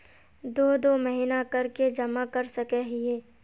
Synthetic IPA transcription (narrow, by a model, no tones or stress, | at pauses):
d̪oːd̪oməɦinakɐɾked͡ʒɐmakɐɾsɐkɛɦieː